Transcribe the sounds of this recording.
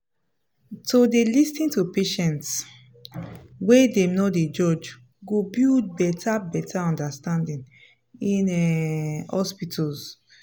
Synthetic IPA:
todelistĩntupeʃɛ̃nts | wedẽmnɔded͡ʒɔd͡ʒ | ɡobild̚bɛtʰabɛtʰaɔ̃ndastãndĩn | ĩnɛhɔspitʰɔz

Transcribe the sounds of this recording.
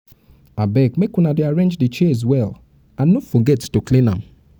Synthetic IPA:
abɛkmekũnadeaɹẽnd͡ʒdət͡ʃɛz̬wɛl | ãnnːofɔɡɛttoklĩnã̰m

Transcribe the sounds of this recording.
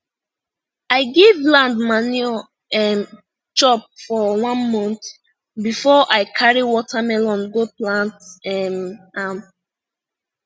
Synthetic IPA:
aɪɡivlãndmani | ɛm | t͡ʃɔp̚fɔwãnmɔ̃nθ | bifɔʔaɪkʰaɹiwɔtʰamɛlɔ̃nɡoplãntɛmam

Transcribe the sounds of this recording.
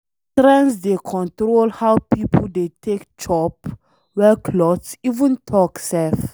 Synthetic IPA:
tɾɛ̃nsdekʰɔ̃ntɾolhawpipʰəldetʰekt͡ʃɔp | wɛkʰlɔtsivə̃ntʰɔksɛlf

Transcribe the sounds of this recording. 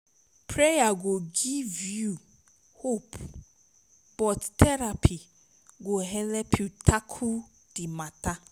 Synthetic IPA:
pʰɾejaɡoɡivju | hopʰ | b̥ɔttʰɛɾapʰi | ɡoɦɛlɛpʰjutʰakʰu | d̥ɪmãta

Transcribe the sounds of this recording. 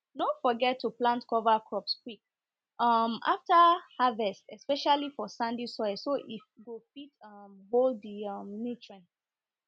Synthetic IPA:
dõfɔɡɛtʰːuplãntkɔvakʰɹɔpskwik̚ | ʔʌma̰ftahavɛstɛspɛʃalifɔsãndisɔsoʔiɡofitʌmboldiʌmnitʰɹɛ̃n

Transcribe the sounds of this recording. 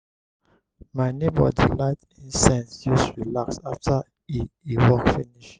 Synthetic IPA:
maɪnebə̰dilaɪtĩnsɛ̃nsjusɹilaksaftʰa | iiwɔkfiniʃ

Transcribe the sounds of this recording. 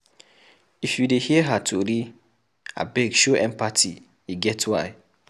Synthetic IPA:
ifjudehiəɦatʰoɾi | a̰bɛɡʃoʔɛ̃mpatʰḭ | iɡɛtwaɪ

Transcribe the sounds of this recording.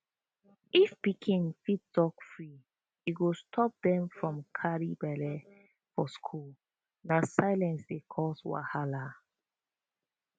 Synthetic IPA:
ifbikʰĩŋfitdɔkfɹi | iɡostʰɔp̚dɛ̃mfɹɔ̃mkʰaɹibɛlɛ | fɔskʰul | nasaɪlɛ̃nsdekʰɔswa̰hala

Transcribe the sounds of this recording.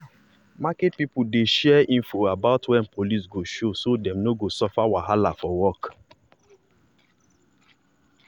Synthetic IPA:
maket̚pipudeʃɛɛĩnfoabaʊtwɛ̃npʰolis̬ɡoʃosodɛ̃mnoɡosɔfawaɦalafɔwɔk

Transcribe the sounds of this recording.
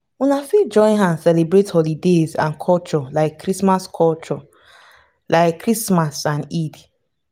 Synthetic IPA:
unafid͡ʒɔ̃ɪ̃nɦãn̩sɛlebɾethɔlidezã̰nkʰɔlt͡ʃɔlaɪkːɾismaskʰɔlt͡ʃɔ | lʔaɪkkːɾismasãnidi

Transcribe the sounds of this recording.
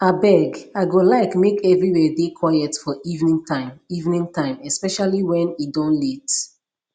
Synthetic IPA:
abɛɡaɪɡolaɪkmekɛvɹiwɛdekʰwaɪɛtfɔʔivnĩŋtãɪ̃mivnĩŋtʰãɪ̃mɛspɛʃaliwɛ̃nidɔ̃nlit

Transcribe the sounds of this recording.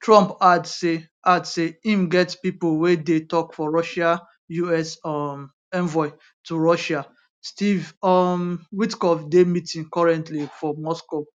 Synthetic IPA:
tʰɹɔ̃mpadse | ʔadseĩmɡɛtpipolwedetɔkfɔɹɔʃa | juɛsɔm | ɛ̃nvɔɪ | tʰuɹɔʃa | stivɔmwitkɔfdemitĩŋkɔɹɛ̃ntlifɔmɔsko

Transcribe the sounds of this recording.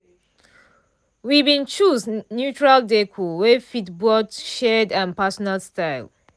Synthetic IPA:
wibĩnt͡ʃuznjut͡ʃɹaldekʰuwɛfitbɔtʃɛdãnpasɔnalstaɪl

